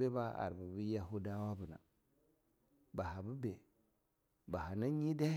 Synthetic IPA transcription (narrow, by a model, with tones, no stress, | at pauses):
e˦ba˦a̰˨ɾbu˨bi˦ja˦ɦu˦da˦wa˦bu˨na̰˨ | ba˨ɦa˨bu˦be˨ | ba˨ɦa˨na˦ɲi˦da˦